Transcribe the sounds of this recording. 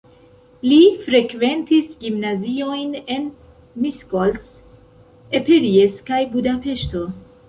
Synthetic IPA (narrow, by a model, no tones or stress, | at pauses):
lifɾe̞kve̞ntisɡimnazio̞jne̞n | miskols | epeɾieskajbudape̞ʃto̞